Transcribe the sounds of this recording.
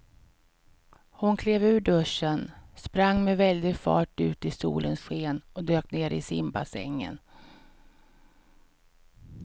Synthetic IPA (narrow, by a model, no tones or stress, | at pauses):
hʊnkʰleːvʉ̟ːɖɵʂːənspɾaŋːmɛvɛld̪ɪɡfɑ̰ːʈʉ̟ːt̪ɪsṵːlʔənsɧeːnɔd̪øːkneːɾɪ̰sɪmba̰sɛ̰ŋːə̰n